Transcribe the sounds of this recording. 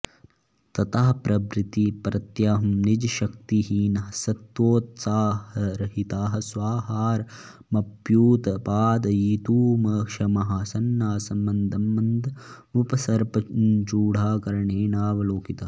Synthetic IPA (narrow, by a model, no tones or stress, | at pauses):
t̪ɐt̪aːɦɐpɾɐbɾɪt̪ipɾɐt̪jaːɦɐmnid͡ʒɐʃɐk̚t̪iɦiːnɐɦɐsɐt̪ʋoːt̪saːhɐɾɐɦit̪aːɦɐ̆sʋaːɦaːɾ | mɐpjuːt̪ɐpaːd̪ɐiːt̪uːmɐʂɐmɐɦasɐnːaːsɐmːɐnd̪ʱɐmːɐnd̪ʱ | upɐsɐɾpɐnt͡ʃuːɽaːkɐɾɐɳeːnaːʋɐloːkit̪a